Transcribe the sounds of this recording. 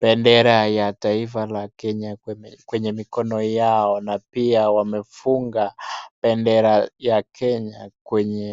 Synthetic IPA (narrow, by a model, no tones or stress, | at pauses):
pɛndɛɾajataifalakɛɲakwɛɲɛmikɔnɔjaɔnapiawamɛfuŋɡapɛndɛɾajakʰɛɲakwɛɲɛ